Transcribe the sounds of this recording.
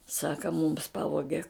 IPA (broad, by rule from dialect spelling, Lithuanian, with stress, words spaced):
ˈsɑːkɐ mʊms ˈpɑːʋoːɡʲɛ